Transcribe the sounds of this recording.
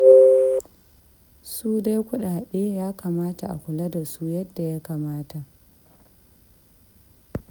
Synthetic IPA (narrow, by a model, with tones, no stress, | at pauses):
suː˦da˦jkʷʊ˦ɗaː˨ɗeː˦jaː˦kaː˨maː˦ta˨ʔa̰˨kʷʊ˨la˦da˨su˦jɐ˦dːa˨ja˦kaː˨maː˦ta˨ʔ